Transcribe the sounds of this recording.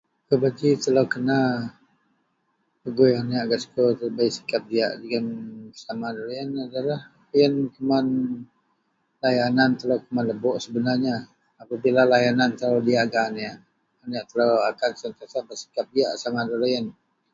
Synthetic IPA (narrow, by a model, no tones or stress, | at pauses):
kəbaɡit̪əlawkəna | pəɡojaniaʔɡaskot̪əbaiʔsi̥kap̚dia̰ʔdəɡansamadalajənadalah | jənkəman | lajanant̪əlawkəmanləbɔʔsəbənarɲaː | pabilalajanant̪əlawdiaʔɡaniaʔ | aniaʔt̪əlawakansant̪asabəsi̥kap̚diaʔsamadalajən